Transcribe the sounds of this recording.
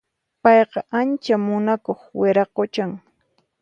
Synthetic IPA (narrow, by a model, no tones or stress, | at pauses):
pɑjqɑʔant͡ʃamʊnakoχweɾɑqot͡ʃaŋ